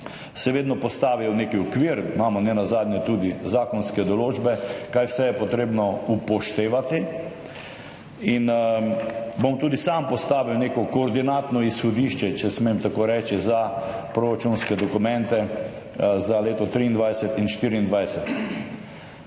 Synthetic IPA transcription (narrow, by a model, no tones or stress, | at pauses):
sɛʋeːd̪nɔpɔst̪aːʋiɛwnekiɔkʋiːɾmaːmɔnɛnazaːd̪njɛt̪uːd̪izaːkɔnskɛd̪ɔloːd͡ʒbɛkajwsɛjɛpɔt̪ɾeːbnɔupɔʃt̪eːʋat̪i | in | bomt̪uːd̪isampɔst̪aːʋiwneːkɔkɔːɾd̪inaːt̪nɔisxɔd̪iːʃt͡ʃɛt͡ʃɛsmemt̪akoɾɛt͡ʃiza | pɾoɾat͡ʃunskɛd̪ɔkʊmɛ̃nt̪ɛ | zaleːt̪ɔt̪ɾiːnd̪ʋajsɛt̪inʃt̪iːɾiːnd̪ʋajsɛt̪